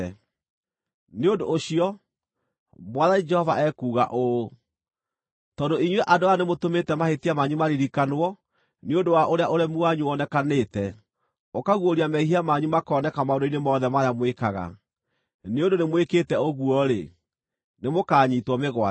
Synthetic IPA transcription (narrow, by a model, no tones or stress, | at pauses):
neondoːɕiɔ | mwaðaɲid͡ʒɛhɔvaɛkuːɣa̰ʔo | tɔːdoiɲweʔadoanemotometɛmahetiamaɲumaɾiɾikanwɔ | neondowaʔoɾeaʔoɾɛmuaɲuɔnɛkanetɛ | okaɣwoɾiamɛiɦiamaɲumakɔːnɛkamaondoinemɔːðɛmaɾeamwekaɣa̰ | neondonemwekeːtɛoɣuɔɾe | nemokaːɲitwɔmeɣwa